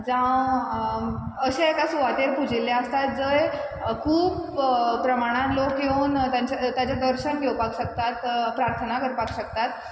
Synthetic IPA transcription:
d͡zã | əɕekasuʋat̪eɾpud͡ʑilːeəst̪at̪̚d͡zəj | kʰuːppɾəmaɽ̃ãnlokɡeuːnt̪jãɲt͡ɕat̪jat͡ɕjad̪əɾɕənɡʱewpakɕək̚t̪at̪pɾaɾt̪ʰənakəɾpakɕəkt̪at̪

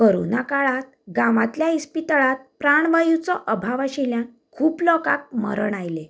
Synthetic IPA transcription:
kəɾṵnakaɭat̪̚ɡaʋat̪ljaispit̪əɭat̪̚pɾaɳ̃ʋajut͡sɔʔəbʱaʋaɕiljã | kʰuːplɔka̰k̚mə̰ɾəɳajle

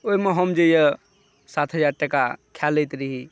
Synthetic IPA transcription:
oimeɦəmd͡ʒejə | sat̪ʰɦəd͡ʒaɾʈekakʰjalːəjt̪ɾiɦi

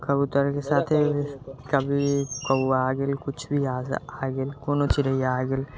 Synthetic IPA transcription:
kɐbut̪əɾkesaːt̪ʰekɐbʱikɐaːɡelkʊt͡ʃʰbʱiaːsaːɡɪlkoːnot͡ʃiɾɐiaːɡɪl

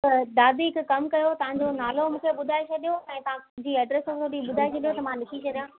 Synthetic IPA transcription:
t̪ɐd̪aːbikkɐmkɐjot̪ɐʋ̤ãɲd͡ʑonaːlomũːkʰeɓʊd̪ʱaːet͡ɕʰɐɗijoɛ̃ːt̪ɐʋãʊ̃d͡ʑiːɛːɖɾɛsɐ̃t̪ʰoɗiɓʊd̪ʱaːet͡ɕʰɐɗijot̪ɐmãnɪkʰit͡ɕʰɐɗijãː

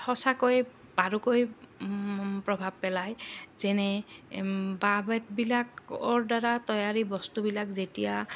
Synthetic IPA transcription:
hɔsakoj | baɹukoj | pɹɔbʱab̚pɛlajzɛnɛ | babɛt̚bilakɔɹdaɹatɔjaɹibɔstubilakzetija

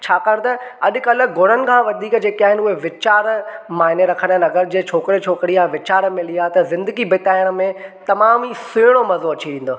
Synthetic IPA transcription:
t͡ɕʰaːkaːɽ̃t̪ɐɐɗʊ̆kɐlə̆ɡʱʊɽ̤ənɪ̆kʰãːʋɐd̪ʱiːkd͡ʑeːkiaːɦɪnɪʊɦeʋɪt͡ɕaːɾmaːɦɪneɾɐkʰənənɐɡəɾd͡ʑeːt͡ɕʰoːkɪɾet͡ɕʰoːkɾiaʋɪt͡ɕaːɾmẽliat̪ɐzɪ̃nd̪əɡibɪt̪aːjəɽmẽt̪ɐmaːmisɪːɽ̃omɐzoɐt͡ɕiɾĩːn̆d̪oː

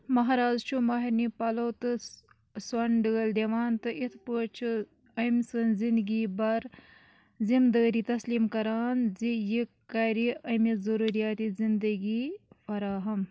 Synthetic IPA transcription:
mɐɦaːɾaːzt͡ʃʰumɐɦiɾnipɐloːt̪ɨ | swɐnɖəːld̪eʋaːnt̪ɨʔit̪ʰpəːt͡ʃʰu | ɐjmsɐnzind̪ɡibɐɾ | zind̪əːɾiːt̪ɐsliːmkɐɾaːnzijikːɐɾiʔɐjmizɐɾuɾijaːt̪izind̪əɡifɐɾaːɦɐm

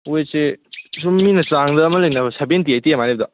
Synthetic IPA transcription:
ojsesumːinɐt͡saŋdɐːmɐlek̚nɐbɐsabentiajtijamaneb̚d̪ɐ

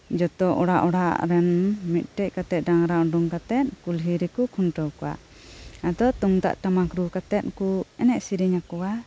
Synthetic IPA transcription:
d͡ʒɔt̪ɔʔɔɽaʔɔɽa̰ɾɛnmit̪̚ˀʈɛc̚ˀkat̪ɛt̪̚ɖaŋɾaʔɖuŋkat̪ɛt̪̚kulɦiɾikukʰunʈɔwkɔwa̰ʔ | ad̪ɔt̪uŋt̪a̰ʔʈamakɾukat̪ɛt̪̚kuɛnɛʔsiɾiɲakɔwa

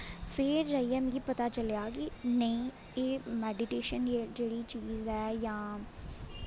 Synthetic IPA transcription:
fʰɪɾd͡ʒaːiɛm̃ɡipət̪aːt͡ʃəljaːɡinəĩː | eːmɛːɖɪʈeːʃəned͡ʒeːɽiːt͡ʃiːzɛːjãː

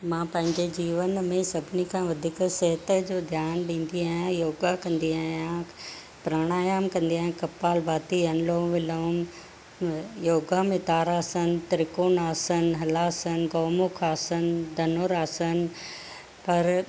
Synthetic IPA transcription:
mãːpɐ̃ɦɪ̃ɲd͡ʑed͡ʑiːʋənmẽsɐbʱɪnikʰãːʋɐd̪ʱiksɛɦət̪əd͡ʑoːd̪ʱjaːnɗĩːn̆d̪iaːjãjoːɡakɐ̃nd̪iaːjã | pɾaːɽ̃aːjaːmkɐ̃nd̪iaːɦjãkɐpːaːlbaːt̪iɐnloːʋɪloːm | joːɡamẽt̪aːɾaːsən̆t̪ɾɪkoːnaːsənɦɐlaːsənɡoːmʊkʰaːsənd̪ʱɐnoːɾaːsən̆ | pɐɾ

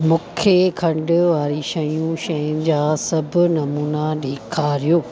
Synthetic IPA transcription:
mʊ̃ːkʰekʰɐ̃ɳɖʊʋaːɾiʃɐjũʃɐjʊnɪ̆d͡ʑaːsɐbʱʊnɐmuːnaɗʱeːkʰaːɾijoː

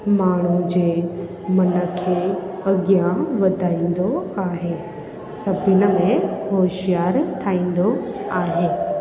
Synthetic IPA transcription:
maːɳ̤̃ũd͡ʑeː | mɐnəkʰeɐɡjaʋɐd̪ʱaːĩːnd̪oaːɦeː | sɐbʱɪnə̆mẽɦoːʃijaːɾʈʰaːĩːn̆d̪oaːɦeː

